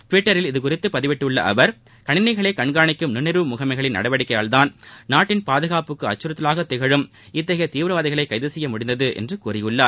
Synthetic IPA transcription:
ʈʋɪʈːɐɾɪlɪðɯkʊrɪt̪ːɯpɐðɪʋɪʈːɯɭːɐ̰ʔɐ̰ʋɐɾ | kɐɳɪnɐɪɣɐɭeːkɐɳɡaːɳɪkːɯmnɪnɛɾɯmʊɣɐmɐɪɣɐɭɪnnɐ̰ɽɐʋɐɽɪkːɐjaːlt̪aːnnaːʈːɪnpaːðɯɣaːpɯkːɯɐt͡ʃːɯɾɐt̪ːɪlaːɣɐt̪ːɪɣɐɻɯm | ɪt̪ːɐɣɐt̪iːʋɾɐʋaːðɪɣɐɭɐɪkɐɪðɯsɛjːɐmʊɽɪnd̪ɐðɯʔɛ̰ndrɯkuːrɪjɯɭːaːɾ

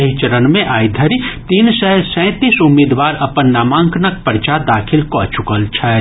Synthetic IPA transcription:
ɐɦit͡ʃəɾənmẽʔaːid̪ʱəɾit̪iːnsəɦsɛ̃ːt̪iːsʊmːɪd̪ʋaːɾɐpənːaːmãːŋknək̚pəɾt͡ʃad̪aːkʰɪlkɔːt͡ʃʊkəlt͡ʃʰɛ

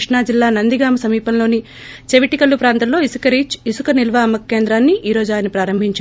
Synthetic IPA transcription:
ʂɳaːd͡ʒilːaːnɐnd̪iɡaːmɐsɐmiːpɐnlo̞ːni | t͡ʃeʋiʈikɐlːupɾaːnt̪ɐnlo̞ːisukɐɾiːt͡ʃisukɐnilʋaːɐmɐkːe̞ːnd̪ɾaːnːiʔiːɾo̞ːd͡ʒuaːjɐnːɐpɾaːɾɐmbʱiɲt͡ʃaː

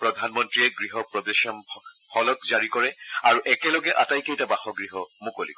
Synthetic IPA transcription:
pɹɔdʱanmɔntɹiɛɡɹiɦɔpɹɔdesɔm | hɔlɔkzaɹikɔɹɛaɹuʔɛkɛlɔɡɛʔatajkejtabaxɔɡɹiɦɔmukolḭkɔɛ

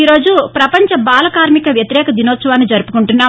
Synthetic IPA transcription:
iɾo̞ːd͡ʒupɾɐpɐɲt͡ʃɐbaːlɐkaːɾmikɐʋjɐt̪iɾɛːkɐd̪inoːt̪sɐʋaːnːid͡ʒɐɾupukuɳʈunːaː

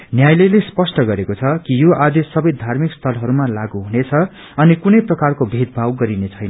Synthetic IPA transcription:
njajlelespʌsʈʌɡʌɾekot͡sʰʌkijoʔad̪essʌbʌjd̪ʱarmikst̪ʰʌlɦʌɾumalaɡuɦunet͡sʰʌ | ʌnikunʌjprʌkarkobʱid̪̚bʱawɡʌɾinet͡sʰʌjnʌ

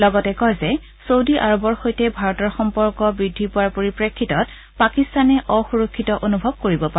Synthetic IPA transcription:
lɔɡɔtɛkɔjzɛ | sowdiʔaɹɔbɔɹxojtɛbʱaɹɔtɔɹxɔmpɔɹkɔbɹidʱːipʊaɹpoɹipɹekʰːitɔt | pakistanɛʔɔxuɹokʰːitɔʔonubʱɔb̚koɹibɔpaɛ

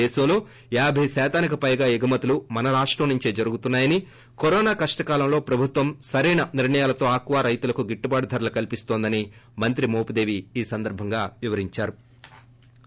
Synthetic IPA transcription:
eːsɐmlo̞ː | jaːbʱɐjsɛːt̪aːnikɐpɐjɡaːeɡɐmɐt̪ulumɐnɐɾaːʂʈɾɐmnuɲt͡ʃeːd͡ʒɐɾuɡut̪unːaːjɐni | kɔɾɔːnaːkɐʂʈɐkaːlɐmlo̞ːpɾɐbʱut̪ʋɐmsɐɾiːɳɐniɾɳɐjaːlɐt̪o̞ːaːkʋaːɾɐjt̪ulɐkuɡiʈːubaːɽɐd̪ʱɐɾɐlɐkɐlipist̪oːnd̪ɐnimɐnt̪ɾimoːpud̪e̞ːʋiːsɐnd̪ɐɾbʱɐŋɡaːʋiʋɐɾiɲt͡ʃaːɾu

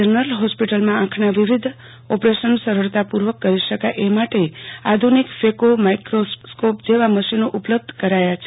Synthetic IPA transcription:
ənəɾəlɦɔspiʈəlmããkʰnaʋiʋid̪ʱ | ɔpɾeʃənsəɾəɭt̪apuɾʋəkːəɾiʃəkajʔemaʈead̪ʱunikfekomajkɾoskopd͡ʒeʋaməʃinoʔupləb̚d̪ʱkəɾajat͡ʃʰe

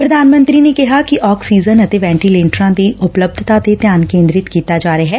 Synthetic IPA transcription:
pɾɐd̪ʱaːnmə̃nt̪ɾinekɐɦakiʔɔːksiːzənɐt̪eʋɛ̃ːɳʈiːlẽːɳʈɾãd̪iʊpləb̚d̪ʱt̪at̪et̪jaːnkẽːnd̪ɾɪt̪kiːt̪ad͡ʒaːɾəɦɛː

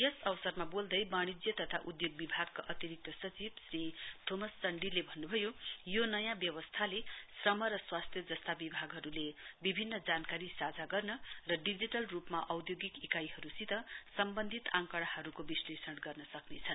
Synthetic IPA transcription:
jʌsʌwsʌrmabold̪ʌjbaɽ̃id͡zjʌt̪ʌt̪ʰaʔud̪joɡ̚bibʱaɡkaʔʌt̪iɾik̚t̪ʌsʌt͡sibsrit̪ʰomʌsːʌɳɖilebʱʌnːubʱʌjojonʌjãbjʌwʌst̪ʰalesrʌmʌɾʌswast̪ʰjʌd͡zʌst̪abibʱaɡɦʌɾulebibʱinːʌd͡zankaɾisad͡zaɡʌrnʌrʌɖid͡ziʈʌlrupmaʔʌwd̪joɡikikajɦʌɾusit̪ʌsʌmbʌnd̪ʱit̪aŋkʌɽ̃aɦʌɾukobislesʌɽɡʌrnʌsʌknet͡sʰʌn

